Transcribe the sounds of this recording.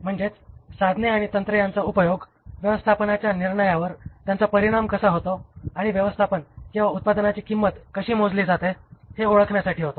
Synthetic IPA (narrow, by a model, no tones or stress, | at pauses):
m̤əɳd͡zet͡ssad̪ʱneaɽ̃it̪ənt̪ɾəjant͡saupəjoɡ | ʋjəʋəst̪ʰapənat͡ɕjaniɾɳəjaʋəɾt̪jant͡sapəɾiɽ̃amkəsaɦot̪oaɽ̃iʋjəʋəst̪ʰapənkĩw̃ʋaut̪̚pad̪ənat͡ɕiːkimːət̪kəɕiːmod͡zliːd͡zat̪eheoɭəkʰɳjasaʈʰiːɦot̪o